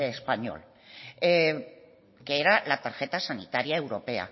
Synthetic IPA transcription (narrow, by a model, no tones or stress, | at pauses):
espaɲo̰l | e | keeɾalat̪aɾʝet̪asanit̪aɾiaewɾopea̰